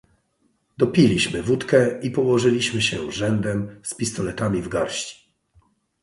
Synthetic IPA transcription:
d̪ɔpʲilʲiɕmɘvut̪kɛipɔwɔʐɘlʲiɕmɘɕɛ̰ʐɛnd̪ɛmspʲist̪ɔlɛt̪amʲivɡaɾɕt͡ɕi̥

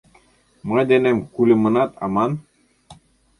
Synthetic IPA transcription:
mɑd̪ænæmkʉlʲɘ̆mɤ̆nɑt̪ɑ̰mɑn

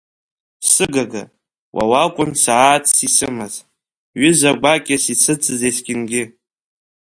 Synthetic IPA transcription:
sɨɡaɡa̰ | wa̰wakʷʼʊnsaːtʰʼsisɨmaz | ɥʏzaɡʷakʲʼasisʰɨt͡sʼɨzejsɡʲɪnɡʲɪ

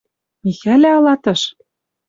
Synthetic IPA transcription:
mixælæɑlɑt̪ɤ̆ʃ

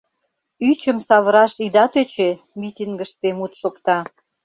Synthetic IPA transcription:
yt͡ɕəmsɑβəɾɑʃid̪ɑt̪øt͡ɕe | mʲit̪ʲiŋɡə̆ʃt̪emut̪ʃokt̪ɑ

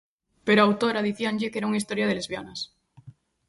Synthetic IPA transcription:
peɾoawt̪oɾaðiθjanʎekeɾauŋaist̪oɾjað̞elezβjanas

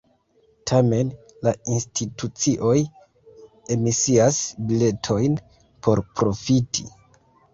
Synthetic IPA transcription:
tʰame̞n | lainstʰitut͡siʔo̞j | e̞misiasbile̞tʰo̞jn | pʰo̞ɾpɾo̞fitʰi

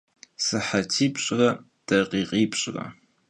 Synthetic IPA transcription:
sɨħatʰiːpʰʼɕʼrɐ | d̥ɐqʼiːqʼiːpʰʼɕʼrɐ̰

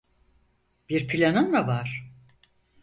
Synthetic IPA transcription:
b̥iɾpʰilʲanɯnlavaɾ̥

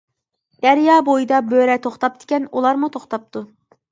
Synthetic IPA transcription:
d̪̥æɾjɑːbojid̪ɑbøɾɛt̪ʰoχt̪ɑp̚d̪̥ɪ̥kʲɛnulˠɑɾmut̪ʰoχt̪ʰɑp̚t̪ʰu

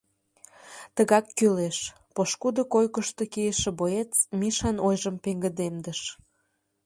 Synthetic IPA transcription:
t̪əɣɑkːyleʃ | poʃkud̪okojkəʃt̪okijeʃĕboet͡smiʃɑnojʒəmpeŋɡə̆d̪emd̪əʃ

